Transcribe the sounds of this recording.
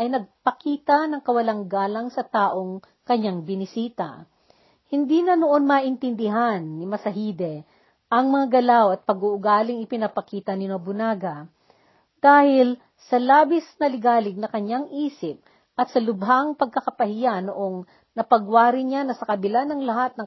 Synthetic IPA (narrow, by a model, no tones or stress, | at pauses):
ʔɐjnɐɡ̚pɐkiːt̪ɐnɐŋkɐwɐlaŋɡaːlɐŋsɐt̪aːʔo̞ŋ | kɐɲːaŋbɪnɪsiːt̪ɐ̰ | hɪnd̪iːnɐnoʔo̞nmaːʔɪnt̪ɪnd̪ɪɦanːɪmɐsɐɦiːd̪ɛ | ʔɐŋmɐŋaɡɐlawɐt̪̚pɐɡʊʔʊɡaːlɪŋɪpɪnɐpɐkiːt̪ɐnɪnɐbʊnaːɡɐ | d̪̥aːhɪl | sɐlaːbɪsnɐlɪɡaːlɪɡ̚nɐkɐɲaŋʔiːsɪp̚ | ʔɐt̪sɐlʊbɦaŋpɐɡ̚kɐkɐpɐhɪjanoʔo̞ŋ | nɐpɐɡwaːɾɪɲanɐsɐkɐbɪlanɐŋlɐɦat̪̚nɐŋ